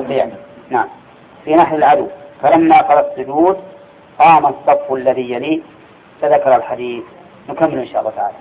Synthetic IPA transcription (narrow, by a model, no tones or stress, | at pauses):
sˤiːʕninaʕam | finaħlalʕad̪uwkaɾˤamnaqɑɾˤɑsːʊd͡ʒuːd̪ | qɑːmasˤːɑbfalːaðijːaliː | t̪aðakːɑɾˤalħad̪iːθ | nʊkamːɪlʔɪnʃaːʔɑlˤːɑːt̪aʕa̰ːla